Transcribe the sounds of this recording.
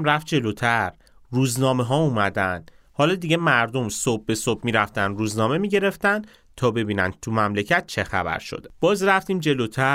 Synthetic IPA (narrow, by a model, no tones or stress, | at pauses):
mɾæft̪̚d͡ʒe̞lot̪ʰæɾ | ruːznɒːme̞ɦɒːuːmæd̪ænd̪̥ | hɒːlɒːd̪iɟe̞mæɾd̪o̞msob̚ːe̞sob̚miːɾæft̪ænd̪ɾuːznɒːme̞miɟe̞ɾe̞ft̪ænd̪̥ | t̪ʰɒːbe̞biːnæ̰nt̪ʰumæmlecʰæt̪̚t͡ʃʰe̞xæ̰bæ̰ɾʃo̰d̪e̥b̥ɒːzɾæft̪iːmd͡ʒe̞lot̪ʰæ